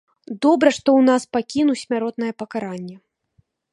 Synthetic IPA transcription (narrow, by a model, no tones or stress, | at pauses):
d̪ɔbɾɐʂt̪ɔwnaspakʲinusʲmʲaɾɔt̪nɐjɛpɐkaɾanʲːɛ